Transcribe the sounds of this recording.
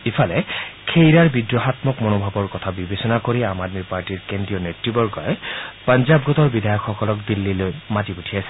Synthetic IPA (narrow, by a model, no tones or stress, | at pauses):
ipʰalɛkʰejɹaɹbidɹɔɦat̪mɔkmɔnobʱabɔɹkɔt̪ʰabibesɔnakoɹiamadmipaɹtiɹkendɹijɔnetɹibɔɹɡɔjɛpanzab̚ɡɔtɔɹbidʱajɔkːɔkɔlɔkd̪ilːilojmatiputʰijasɛ̥